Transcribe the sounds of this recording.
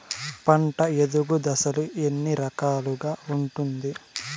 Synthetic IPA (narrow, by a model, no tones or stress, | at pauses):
pɐɳʈɐed̪uɡud̪ɐsɐluʔe̞nːiɾɐkaːluɡaːuɳʈund̪i